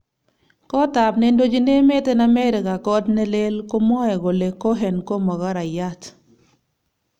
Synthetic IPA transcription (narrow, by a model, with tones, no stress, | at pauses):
kɔ˦ta˨pnɛ˦ndo˦d͡ʒi˦ne˦me˦tɛ˦na˦mɛ˦ɾɪ˨ka˨kɔ˦dnɛ˦le˦lko˦mɔ˦ɛ˨ɡo˨le˨kɔ˦ɦɛ˨nko˦mɔ˨ɣa˦ɾa˨ja˦t